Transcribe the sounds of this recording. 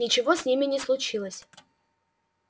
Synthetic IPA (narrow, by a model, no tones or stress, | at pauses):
ɪt͡ɕɪvosʲnʲimʲɪnʲɪslˠʊt͡ɕilˠəsʲ